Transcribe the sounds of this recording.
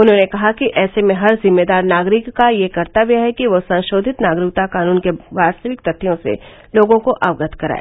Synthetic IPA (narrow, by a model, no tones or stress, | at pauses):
ʊnɦõnekɐɦakiʔɛːsemẽɦɐɾzɪmːeːd̪aːɾnaːɡɾɪkːajekɐɾt̪aʋiaɦɛkiʋosɐ̃nʃoːd̪ʱɪt̪naːɡɾɪk̚t̪akaːnuːnkeʋaːst̪əʋɪkt̪ɐt̪ʰːijõsḛ | loːɡõkoʔaːʋɡət̪ʰkɐɾa̰ːḛ